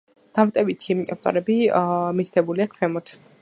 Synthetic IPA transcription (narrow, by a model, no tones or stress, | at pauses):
d̪̥amt̪ʼɛbit̪ʰia̰p̚t̪ʼɔ̰ɾɛbimit̪ʰd̪ʰɛbuliakʰfɛmɔt̪ʰ